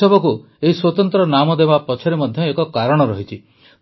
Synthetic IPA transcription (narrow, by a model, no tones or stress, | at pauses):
ɔbɔku | eɦiswɔt̪ɔnt̪ɾɔnamɔd̪ebapɔt͡ʃʰɔɾemɔd̪ʱjɔekɔkaɾɔɽ̃ɔɾɔɦit͡ʃʰi